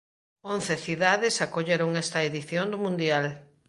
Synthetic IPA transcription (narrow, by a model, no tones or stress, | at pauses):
õnθeθiðaðɪsakoʎeɾoŋɛst̪ɐeðiθjond̪ʊmũnd̪jal